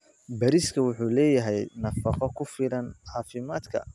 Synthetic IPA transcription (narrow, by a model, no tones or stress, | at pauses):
bɐɾiskʰɐwʊħuːlɛːjɐɦɛjnɐfɑqɔkʰʊfɪlɐnʕɑːfɪmaːd̪kʰɐ̰